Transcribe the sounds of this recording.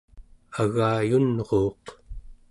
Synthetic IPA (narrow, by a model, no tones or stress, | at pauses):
aɣaːjunʁoːq